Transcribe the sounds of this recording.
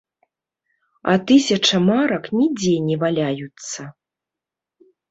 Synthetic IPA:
ɐ̰t̪ɨsʲɐt͡ʂɐmaɾɐknʲid͡zʲɛnʲɛvalʲajut̪sːɐ

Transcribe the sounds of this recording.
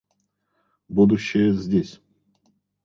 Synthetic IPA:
bud̪uɕːɪjəzʲdʲesʲ

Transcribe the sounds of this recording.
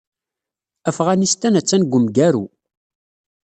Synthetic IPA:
æfʁænist̪ænæt͡sːænɡʷəmɡæɾu

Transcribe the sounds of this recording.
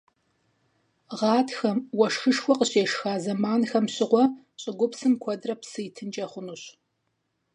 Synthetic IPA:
ʁɑːtʰxɐmwɔʂxɨʂxʷɔqəɕeːʂxaːzɐmaːnxɐmɕɪʁʷɔ | ɕʼɪɡʷʊpsɨmkʷʰɔdrɐpsɨjtʰɨnt͡ʃʼɐχʷʊnuɕ

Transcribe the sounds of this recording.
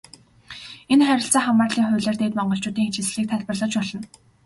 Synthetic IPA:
enχæɾʲɪ̆ɬt͡saːχamaːrɮiːŋχʊ̟ːɮeːrt̪eːt̪mɔɴɢɞ̆ɬt͡ɕʊːt̪iːŋxet͡ɕĭsɮiːk̚t̪ʰaɮpə̆rɮɞ̆t͡ɕpɔɮɞ̆n

